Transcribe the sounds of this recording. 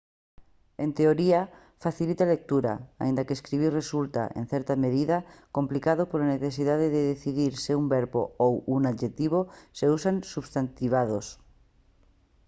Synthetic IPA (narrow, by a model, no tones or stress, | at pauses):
ẽnt̪eoɾia | faθilit̪alek̚t̪uɾa̰a̰ind̪akeːskɾiβ̞iresult̪a̰ʔḛ̃n̟θɛɾt̪ameðiðako̞mplikaðopolaneθesiðaðeðeðeθiðiɾseumbeɾβo̰owunaðʒet̪iβ̞oseusansuβst̪ant̪iβ̞að̞os